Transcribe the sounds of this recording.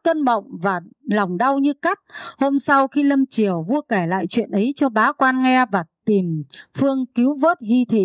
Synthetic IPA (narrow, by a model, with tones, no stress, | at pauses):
kə˧nɓə̰˧˨wŋ͡mvaː˨˩la˨˩wŋ͡mɗa˧wɲɨ˧ka˦˥k̚ho˧msa˧wxi˧lə˧mt͡ɕi˧˩əwvu˧əkɛ˧˩la̰ː˧˨jt͡ɕwḭ˧˨ənʔə˨˦jt͡ɕɔ˧ɓaː˨˦kwaː˧nŋɛ˧vaː˨˩t̪i˨˩mfɨ˧əŋki˨˦wvo˦˥t̚hi˧t̪ʰḭ˧˨